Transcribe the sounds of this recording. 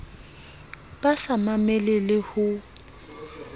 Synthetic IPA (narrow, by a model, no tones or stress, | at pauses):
b̥asamamɛlɛlɪhʊ